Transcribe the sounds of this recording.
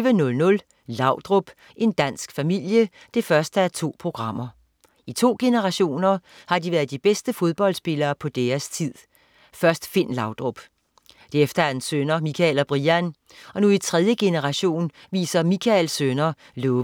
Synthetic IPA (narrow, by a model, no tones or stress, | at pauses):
ənɔ̽lnɔ̽l | lɑ̈ʊ̰d̥ʁɔb̥ | ʔe̝nd̥æn̰sɡ̥fæmil̰jəd̥e̝fɶɐsd̥əæɐt͡sʰo̝̰ːpʰʁo̝ɡ̥ʁɑ̈m̰ɐ | it͡sʰo̝̰ːɡ̥e̝nəʁɑ̈ɕo̝̰ːnɐhɑ̈diʋæːɐð̩ˠd̥ib̥esd̥əfo̝ð̞ˠb̥ɒ̽l̰sb̥e̝lɐːpʰɒ̽d̥eːɐst͡sʰið̰ˠ | fɶɐsd̥fe̝n̰lɑ̈ʊd̥ʁob̥ | d̥eefd̥ɐæɐ̥ensønɐmikʰɛlɒb̥ʁiæn | ɒ̽nuit͡sʰʁɛðˠjəɡ̥e̝nəʁɑ̈ɕo̝̰ːn | ʋḭːsɐmikʰælsønɐ | lɔ